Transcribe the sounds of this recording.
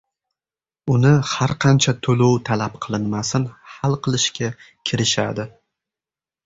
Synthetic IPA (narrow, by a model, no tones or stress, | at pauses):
ʊnɪhaɾqʰɑnt͡ʃʰat̪ʰolowt̪ʰalap̚qʰɨlˠɪnmasɪnhalˠqʰɨlˠɪʃkʲʰa | kʲʰɪɾɪʃa̰d̪ɪ